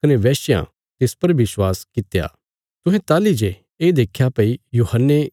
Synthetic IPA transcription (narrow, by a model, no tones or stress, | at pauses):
kɐneʋɛːʃjã̰ | t̪eːspɐɾʋɪswaːskɪt̪ja̰ː | t̪ʊ̃ɦɛ̃t̪aːlid͡ʒe | eːd̪eːkʰːjapɐijuːhənːe